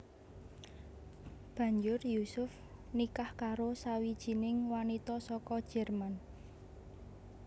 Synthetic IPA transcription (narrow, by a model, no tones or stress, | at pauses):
b̥ä̤ɲd͡ʒʊrjusʊf | nikahkaɾosawid̥ʒ̥i̤nɪŋwanit̪ɔsɔkɔd̥ʒ̥ɛ̤rman